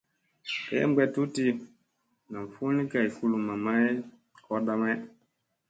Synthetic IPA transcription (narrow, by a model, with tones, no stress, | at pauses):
kɛ̰˦m˦ɡ͡bɛ˦tu˦ti˦ | na˨m˨fu˦ni˦ka˨i˨fu˦lu˨ma˨ma˦e˦ | kɔ˦ɗa˦ma˦